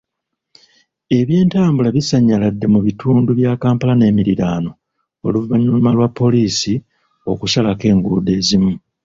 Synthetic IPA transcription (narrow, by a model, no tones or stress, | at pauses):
e̞βje̞ːntaːmbulaβisaɲːaladːe̞muβitʰuːnduβjaːkaːmpalane̞ːmiɾiɾaːno̞ | o̰luvaɲumalwapːo̞liːsi | o̞kusalake̞ːŋɡuːde̞ːzimu